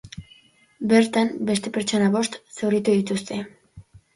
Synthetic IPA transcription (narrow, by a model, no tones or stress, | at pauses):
be̞ɾt̪ambe̞st̪e̞pe̞ɾt͡ʃo̞naβo̞st̪se̞writ̪uðit̪ust̪e̞